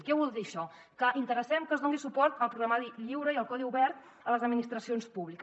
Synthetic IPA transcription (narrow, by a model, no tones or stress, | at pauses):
kɛβulˠd̪iəʃɔ | kəʔint̪əɾəsɛmkəzðoŋɡisupɔɾt̪əlˠpɾuɣɾamaðiʎiwɾəiəlˠkɔðiuβɛɾt̪̚ | ələzəd̪minist̪ɾəsionspuβlikə